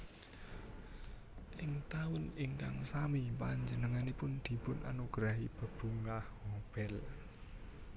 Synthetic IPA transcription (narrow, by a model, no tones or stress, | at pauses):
ʔɪŋt̪aʊnɪŋka̰ŋsamipaɲd͡ʒənəŋanipʊnd̪̥i̤pʊna̰noɡ̥ɾaɦib̥ə̤b̥uŋkahhob̥ɛl